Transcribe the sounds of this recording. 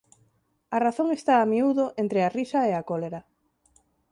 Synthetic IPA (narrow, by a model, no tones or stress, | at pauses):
araθoŋest̪aːmiuðoʔent̪ɾearisaeakoleɾa